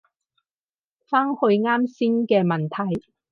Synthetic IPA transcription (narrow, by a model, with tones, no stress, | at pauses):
faː˥ŋhɵ˧ɥŋaː˥msi˥ŋkɛː˧mɐ˨˩nt̪ʰɐ˨˩j